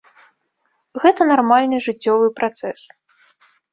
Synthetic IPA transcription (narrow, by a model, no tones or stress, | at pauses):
ɣɛt̪ɐnarmalʲnɨʐɨt͡sʲːɔvɨpɾat̪sɛs